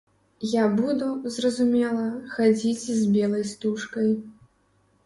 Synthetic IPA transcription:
jabud̪uzrɐzumʲɛlˠɐxad͡zʲit͡sʲzbʲɛlˠɐjst̪uʂkɐj

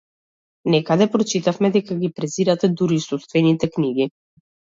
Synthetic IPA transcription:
nɛkad̪ɛpɾɔt͡ʃit̪afmɛd̪ɛkaɡipɾɛziɾat̪ɛd̪uɾisust̪vɛnit̪ɛkniɡi

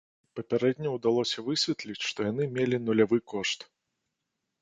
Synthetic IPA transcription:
pɐpʲaɾɛd̪ʲnʲɐwd̪alˠɔsʲɐvɨsʲvʲɛt̪lʲit͡sʲʂt̪ɔjanɨmʲelʲinulʲavɨkɔʂt̪

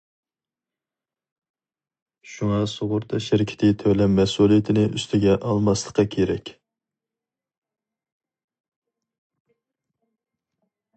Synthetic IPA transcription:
ʃuŋɑsoʁʊɾt̪ʰɑʃɪɾɪkʲʰɪ̥t̪ʰɪt̪ʰøwlɛmːɛsulˠijɪt̪ʰɪnɪʔyst̪ʰɪɡʲɛʔɑlˠmɑslˠəqɑkʲʰeɾɛ̰kʲ

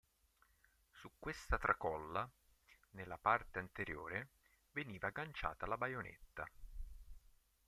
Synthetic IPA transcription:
sukːwest̪at̪ɾʔakɔlːa | nelːapart̪eant̪eɾjo̰ːɾe | veniːvaɡant͡ʃa̰ːt̪alabajonḛt̪ːa

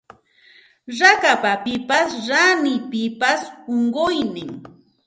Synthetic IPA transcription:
ɾakapapɪpasɾanɪpɪpasoɴɢojnɪŋ

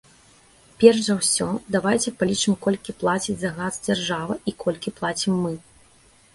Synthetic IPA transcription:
pʲɛrʂzɐwsʲɔd̪avajt͡sʲɛpalʲit͡ʂɨmkɔlʲkʲiplˠat͡sʲid͡zʲzaɣazd͡zʲarʐavɐʔikʰɔlʲkʲiplˠat͡sʲimːɨ

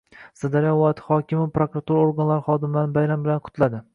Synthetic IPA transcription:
sad̪aɾjawɒɪt̪ʰhɒkʲɪmɪapɾokɾat̪ʰuɾaoɾɡanlaɾɪχɒd̪ɪmlaɾnɪbajɾambɪlanqʰʊ̥t̪ʰlad̪ɪ

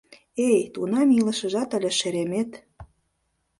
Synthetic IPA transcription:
ejt̪unɑmilə̆ʃə̆ʒɑt̪əlʲə̆ʃeɾemet̪

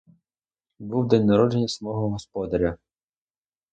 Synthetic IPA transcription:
buwd̪ɛnʲnɐɾɔd͡ʒenʲːɐsɐmɔɦɔɦɔspɔd̪ɐɾʲɐ

